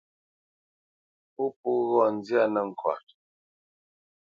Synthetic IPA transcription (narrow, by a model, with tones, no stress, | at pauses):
pu˦pu˦ɣɔ˦˨n̩˦d͡zja˦˨nə˨ŋ̩˨kwa̰˨t̚